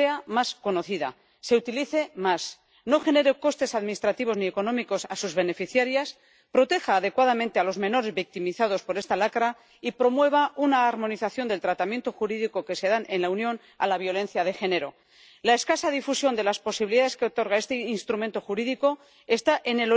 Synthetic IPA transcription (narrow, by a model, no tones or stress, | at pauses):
eamasko̞no̞θiða̰ | se̞ut̪iliθe̞mas | no̞xe̞ne̞ɾeko̞st̪e̞saðminist̪ɾat̪iβ̞o̞znie̞ko̞nõ̞miko̞sasuzβe̞ne̞fiθjaɾjas | pɾo̞t̪e̞xaːðe̞kwað̞amẽnt̪e̞alo̞zme̞no̞ɾe̞zβik̚t̪imiθaðo̞spo̞ɾe̞st̪alakɾa | ipɾo̞mwe̞β̞aʔunaːɾmo̞niθaθjo̞nd̪elt̪ɾat̪amje̞nt̪o̞xuɾiðiko̞ke̞se̞ðanʔenlaunjo̞n | a̰laβ̞jo̞le̞n̟θjað̞e̞xe̞ne̞ɾo̞ | laeskasaðifusjo̞nd̪e̞laspo̞siβiliðaðe̞skeo̞t̪o̞ɾɣ̞ae̞st̪einst̪ɾument̪o̞xuɾiðiko̞ | e̞st̪aʔe̞ne̞lo